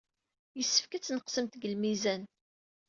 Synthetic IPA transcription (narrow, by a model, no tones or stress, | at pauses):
jəsːə̥fkæt͡sːnəqsəmt̪ɡəlmizæn